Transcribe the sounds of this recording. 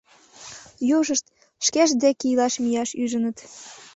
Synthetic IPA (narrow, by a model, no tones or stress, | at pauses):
joʒəʃt̪ | ʃkeʃd̪ekijlɑʃmijɑʃyʒənə̆t̪